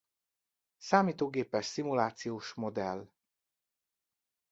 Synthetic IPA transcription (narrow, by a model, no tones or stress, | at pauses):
saːmiːt̪oːɡeːpɛʃsimulaːt̪sijoːʃmod̪ɛl